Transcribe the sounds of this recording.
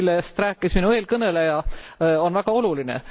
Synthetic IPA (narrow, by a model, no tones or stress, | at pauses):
lːest̪ræːkːˑisminue̞ːlkɤnelejɑo̞nvæɡ̥ɑo̞lulinḛ